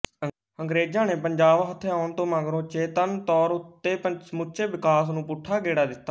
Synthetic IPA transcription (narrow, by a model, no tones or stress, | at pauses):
əŋɡɾeːd͡ʒãːneːpəɲd͡ʒaːʋɦət̪ʰːeaːʊnt̪õːmãːɡɾõːt͡ʃeːt̪ənt̪ɔːɾʊt̪ːeːpəsmʊʃeːʋɪkaːsnũːpʊʈʰːaːɡeːɽaːd̪ɪt̪ːaː